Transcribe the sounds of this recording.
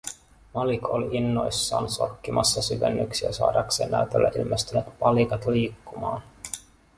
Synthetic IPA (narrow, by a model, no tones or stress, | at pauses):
mɑlikoliinːo̞jsːɑːnso̞̰rkːimʔɑsːɑsyʋe̞nːyksiæsɑ̰ːdɑkse̞ːnːʔæyt̪elːæʔilmest̪ynet̪pɑlikɑt̪liːkːumɑːn